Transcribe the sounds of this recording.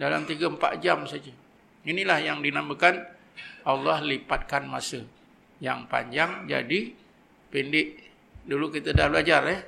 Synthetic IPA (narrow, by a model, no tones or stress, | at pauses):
dala̰mt̪iɡəəmpa̰ʔ̪̚d͡ʒamsad͡ʒə | inilahjaŋdinamə̃kan | ʔalːɑhlipat̪̚kanmasə | ja̰ŋpa̰ɲd͡ʒaŋd͡ʒa̰di | pindɪʔ | dulukit̪ədahblad͡ʒarəh